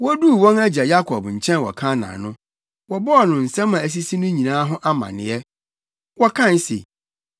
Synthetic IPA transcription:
wɔ˦du˦˨wɔ̃˦næ˦d͡ʑa˨ja˦kʰɔ˨bɲ̩˨t͡ɕʰɛ̃˦nwɔ̰˨kʰã˦nã̰˨nʊ̃˦ | wɔ˨bɔ˦ɔ˨nʊ̃˨n̩˨sɛ̃˦mːã˨æ˨s̬i˦si˦nʊ̃˦ɲĩ˨nãː˦ɦʊ̃˦ʔa˦mã̰˨nɪ̰̃˨ɛ˦ | wɔ˦kʰã˦˨n˦sḛ˨

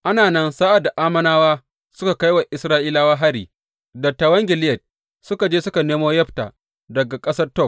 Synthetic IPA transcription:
ʔa˦naː˨nɐ˦nsaː˦ʔa˨da˨ʔaː˦mɐ˦naː˦waː˦ | sʊ˦ka˨ka˦jwa˨ʔɪ˨sɾaː˦ʔiː˦laː˦waː˦ɦa˦ɾiː˨ | dɐ˨tːa˨wɐ˦ŋɡʲɪ˨lɪ˦jɐ˨t̚ | sʊ˦ka˨d͡ʒeː˦sʊ˦ka˨neː˦moː˦jɐ˦ɸta̰ː˨ | dɐ˨ɡa˨kʼɐ˦sɐ˦rtɔ˦˨k̚

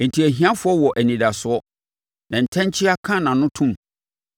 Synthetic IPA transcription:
n̩˨tʰi˨æ˨ɦĩ˨ã˦fʊ˦ɔ˦wɔ˨ʔæ˨nĩ˨da˨sʊ˨ɔ˦ | nã˨n̩˨tʰɛ̃˦ɲ˦t͡ɕʰɪ˦a˦kʰã˦˨nã˨nʊ̃˦tʰũ˦m

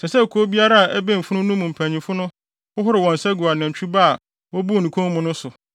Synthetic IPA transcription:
sɛ˨sɛ˦˨kʰo˦bi˦a˦ɾa˦a˨ʔæ˦bẽ˦˨m̩˨fʊ̃˦nʊ̃˦nũ˦mũ˨m̩˨pʰæ̃˨ɲĩ˨fʊ˦nʊ̃˦ | hʊ˦ɦʊ˦ɾɪ˨wɔ̃˨n˨sɛ˦ɡu˨a˨nã˨ɲ˨t͡ɕʰᶣu˦ba˦a˨ | wɔ˦bu˦˨nũ˨kʰõ˦ŋ˦mʊ̃˨nʊ̃˦sʊ˨

